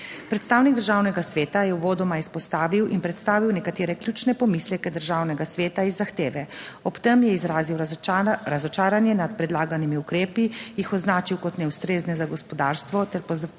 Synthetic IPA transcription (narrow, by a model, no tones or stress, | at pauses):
pɾɛt̪st̪aːwniɡ̚d̪əɾʒaːwnɛɡasʋeːt̪ajɛuʋoːd̪ɔmaispɔst̪aːʋiwinpɾɛt̪st̪aːʋiwnɛkat̪eːɾɛklʲjuːt͡ʃnɛpɔmislʲɛkɛd̪əɾʒaːwnɛɡasʋeːt̪aizːaxt̪eːʋɛɔpt̪ɛmjɛizɾaːziwɾazɔt͡ʃaːɾanjɛnat̪pɾɛd̪laːɡanimiukɾeːpijixɔznaːt͡ʃiwkɔt̪nɛust̪ɾeːznɛzaɡɔspɔd̪aːɾst̪ʋɔt̪ɛɾpɔz